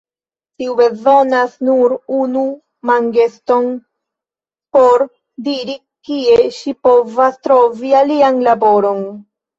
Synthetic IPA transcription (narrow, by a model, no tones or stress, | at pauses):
tiube̞zo̞nasnuɾunu | maŋɡe̞sto̞n | po̞ɾ | diɾi | kie̞ʃipo̞vastɾo̞vialianlabo̞ɾo̞n